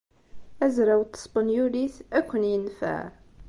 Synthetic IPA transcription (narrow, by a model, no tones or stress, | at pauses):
æzɾæwt̪ːə̥sˤbənjuliθækʷːənjənfæ̰ʕ